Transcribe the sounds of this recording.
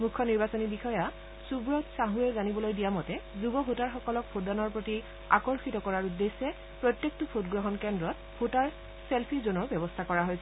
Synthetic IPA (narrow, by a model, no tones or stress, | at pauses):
mukʰːɔniɹbasɔnibixɔja | subɹɔtsaɦuɛzanibɔlojdijamɔtɛzubɔbʱotaɹxɔkɔlɔk̚bʰodanɔɹpɹoti | a̰kɔɹxitɔkɔɹaɹudːesːɛ | pɹɔtjek̚tɔpʰotɡɹɔɦɔnkɛndɹɔt | b̥ʰʱotaɹ | selpʰizonɔɹbjɛbɔstʰakɔɹaɦojsɛ